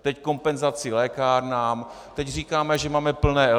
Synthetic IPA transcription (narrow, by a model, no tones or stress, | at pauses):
t̪ɛcko̞mpɛnzat͡sɪlɛːkaːɾnaːm | t̪ɛcr̝iːkaːmɛʒɛmaːmɛpl̩nɛːɛ